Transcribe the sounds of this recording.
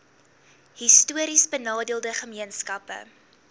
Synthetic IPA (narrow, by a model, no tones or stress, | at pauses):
histuəɾisbənɑːdiəlˠdəχəmiənskɐpə̰